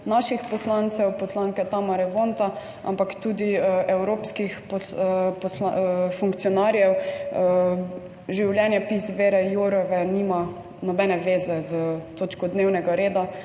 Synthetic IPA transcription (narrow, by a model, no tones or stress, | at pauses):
naʃixpɔslant̪sɛwpɔslaŋkɛt̪amaɾɛʋont̪a | a̰mpakt̪uːd̪iɛwɾoːpskixpɔspɔslafuŋkt̪siɔnaːɾjɛw | ʒiwljɛnjɛpizʋeːɾɛjuɾɔʋɛnima | nɔbɛnɛʋeːzɛzət̪oːt͡ʃkɔd̪neːwnɛɡaɾeːd̪a